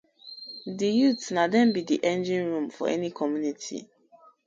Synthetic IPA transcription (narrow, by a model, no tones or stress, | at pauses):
dijutnadɛ̃nbidiʔɛ̃nd͡ʒĩnɹũmfɔ̰ɛnikʰɔmjunitʰḭ